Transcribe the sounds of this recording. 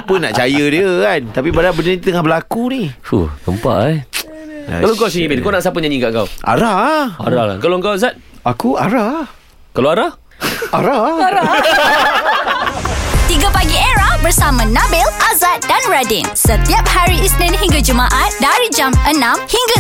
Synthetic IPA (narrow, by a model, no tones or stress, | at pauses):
pʊnːa̰ʔt͡ʃajədiəkant̪apibadabənəit̪ut̪əŋahbəlakunihhṵhɡəmpa̰ʔajka̰kaloŋkawsiimɪnkawnaʔsapəɲaɲĩkaʔŋka̰wʔa̰ɾaa̰ɾaa̰kaloŋkawazat̪̚ | akua̰ɾa | kaloaɾah | aɾaaa | t̪iɡapaɡieɾahbərsamãnãbɪlʔazat̪̚danɹadɪnsət̪iap̚haɾiisnɛ̃nɦiŋɡad͡ʒumaʔat̪̚daɾid͡ʒamənãmhiŋɡa